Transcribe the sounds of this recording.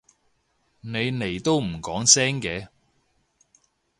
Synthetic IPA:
ne˨˧jne˨˩jt̪o˥wm̩˨˩kɔː˨˥ŋsɛː˥ŋkɛː˨˧

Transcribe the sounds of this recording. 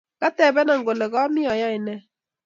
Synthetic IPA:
ka˦tɛ˨bɛ˦na˨ŋɡo˨le˨ɣɔ˦mɪ˦ɔ˨jɔ˦ɪ˨nɛ˦

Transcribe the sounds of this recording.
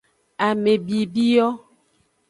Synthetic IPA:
a˨me˨bi˨bi˦jɔ˦

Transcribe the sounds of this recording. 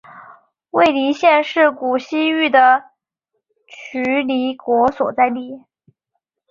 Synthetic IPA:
we˥˩ɪli˧˥ɕjɛ˥˧nʂɻ̩˥˩ku˨˩ɕi˥y˥˩d̪ə˩ | t͡ɕʰy˧˥li˧˥kwɔ˧˥swɔ˨˩t͡sa˥˧ɪli˥˩

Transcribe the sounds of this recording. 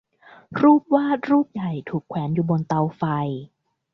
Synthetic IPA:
ɾuː˥˩p̚waː˥˩ɾuː˥˩p̚ja˨˩jt̪ʰuː˨˩kʰwɛː˩˦njuː˨˩bo˧nt̪a˧wfa˧j

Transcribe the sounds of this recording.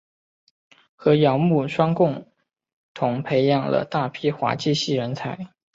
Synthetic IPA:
xɤ˧˥jɑ˧˥ŋmu˥˩ʂwɑ˥ŋkʊ˥˩ŋ | t̪ʰʊ˧˥ŋpʰe˧˥ɪjɑ˥˩ŋlə̰˩t̪a˥˩pʰi˥xwa̰˧˥t͡ɕi˥˧ɕi˥˩ɻə˧˥nt͡sʰa˧˥ɪ

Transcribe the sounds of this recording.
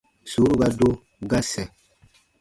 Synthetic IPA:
su˨˦ɾu˦ɡa˦do˦ | ɡa˦sɛ˨

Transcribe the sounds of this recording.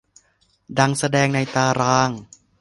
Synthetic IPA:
da˧ŋsa˧dɛː˧ŋna˧jt̪aː˧ɾaː˧˥ŋ

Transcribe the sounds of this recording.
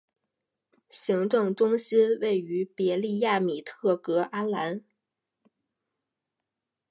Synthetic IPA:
ɕi˧˥ŋʈ͡ʂɤ˥˧ŋʈ͡ʂʊ˥ŋɕi˥nwe˥˩ɪy˧˥pjɛ˧˥li˥˧ja˥˩mi˨˩t̪ʰɤ˥˩kɤ˧˥ʔa˥nla˧˥n

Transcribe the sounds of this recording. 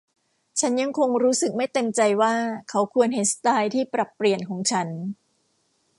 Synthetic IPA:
t͡ɕʰa˦˥nja˧ŋkʰo˧ŋɾuː˦˥sɯ˨˩k̚ma˥˩jt̪e˧mt͡ɕa˧jwaː˥˩kʰa˦˥wkʰu˧ənha˧˩jsḁ˧t̪aː˧jt̪ʰiː˥˩pɾa˨˩pːɾi˨˩ənkʰɔː˩˦ŋt͡ɕʰa˦˥n

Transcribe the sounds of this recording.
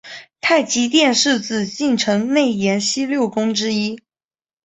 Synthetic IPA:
t̪ʰa˥˩ɪt͡ɕi˧˥t̪jɛ˥˧nʂɻ̩˥˧t͡sɹ̩˥˩t͡ɕi˥˩nʈ͡ʂʰɤ˧˥ŋne˥˩ɪjɛ˧˥nɕi˥ljo˥˩ʊkʊ˥ŋʈ͡ʂɻ̩˥i˥

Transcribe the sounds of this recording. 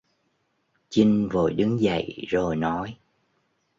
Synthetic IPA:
t͡ɕi˧ŋ̟vo˨˩jɗɨ˨˦ŋzə̰˧˨jzo˨˩jnɔ˨˦j

